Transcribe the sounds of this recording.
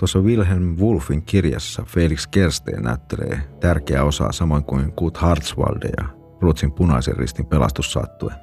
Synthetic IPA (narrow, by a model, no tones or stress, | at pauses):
t̪uosːɑʋilɦelmʋulfˑiŋkirjɑsːɑfelikskerst̪ḛːnæyt̪ːelḛːt̪ærkeæo̞sɑ̰sɑmo̞iŋkuiŋkuːt̪hɑrt̪sʋɑ̰ldejɑ̰ | ruːt̪simpunɑiserrḭst̪impelɑ̰st̪usːɑ̰t̪ːuen